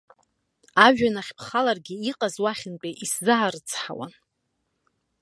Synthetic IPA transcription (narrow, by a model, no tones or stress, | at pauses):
aʒᶣanaχʲpʰχalarɡʲiiqʼazwaχʲɪnpʼeʔiszɨʕarɨt͡sʰħa̰wa̰n